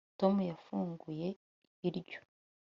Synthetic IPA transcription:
to̞mujafuːŋɡuje̞ | iɾɟo̥

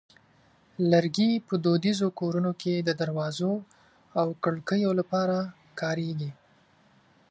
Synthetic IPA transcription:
laɾɡipəd̪od̪izokoɾunokʰed̪əd̪aɾwɑzo | awkəɽkəjolapɑɾa | kɑɾeɡi

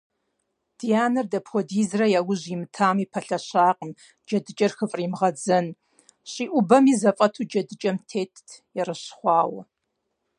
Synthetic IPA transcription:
d̥ijaːnɐrdɐpʰxʷɔdiːzrɐjaːwʊʑimɨtʰaːmiːpʰɐɬɐɕaːqʼəm | d͡ʒɐdɨt͡ʃʼɐrxɨfʼriːmʁɐd͡zɐn | ɕʼiːʔʷʊbɐmiːzɐfʼɐtʰuːd͡ʒɐdɨt͡ʃʼɐmtʰeːtʰjɛrɨɕχʷɑːwɐ̰

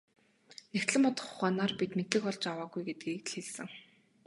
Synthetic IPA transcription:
nekt̪ɮɘ̆mpɔt̪ə̥̆χʊχaːnaːrpit̪met̪ɮɘ̆kɔɮt͡ɕawaːɡujɡet̪ɘ̥̆kiːk̪̆ɮxeɮsɘ̆ŋ

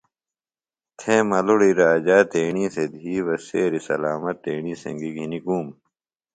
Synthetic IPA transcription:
t̪ʰẽmɐluɽiɾaːd͡ʑaːt̪eːɳiːsed̪ʱiːwɐseːɾisɐ̰laːmɐt̪ːeːɳisɐ̰̃ŋɡiɡʱinikuːm

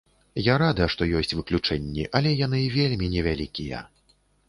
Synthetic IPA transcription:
jaɾad̪ɐjɐʂt̪ɔjɔsʲt͡sʲvɨklʲut͡ʂɛnʲːḭʔɐlʲɛjan̪ɨvʲelʲmʲinʲɛvʲalʲikʲijɛ̰

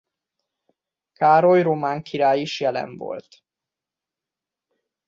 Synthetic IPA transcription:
kaːɾo̞jromaːŋkʰiɾaːjiʃjɛlɛ̰ɱvo̞̰lt̪

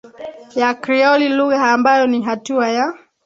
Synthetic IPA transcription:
jakɾiɔliluɣaːmbajɔniɦatuaja

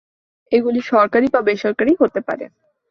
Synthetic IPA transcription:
eɡuliʃɔɾkaɾibabeʃɔɾkaɾiɦot̪epa̰ɾḛ

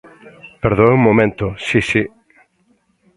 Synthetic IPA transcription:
peɾðoeumːomẽnt̪ʊsisi

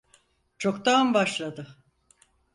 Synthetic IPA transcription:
t͡ʃʰokt̪anbaʃlˠad̪ɯ

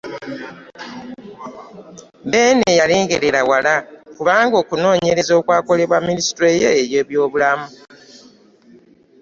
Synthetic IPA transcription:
be̞ːnejaleːŋɡe̞ɾe̞ɾawalakuβaːŋɡo̞ːkuno̞ːɲe̞ɾe̞zo̞ːkwaːko̞le̞βwamːinisi̥tɾejḛeɾje̞ːβjo̞ːβulamu

